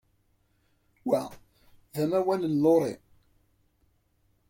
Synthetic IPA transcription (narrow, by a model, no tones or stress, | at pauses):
wæ | ðæmæwænənloɾˤḭ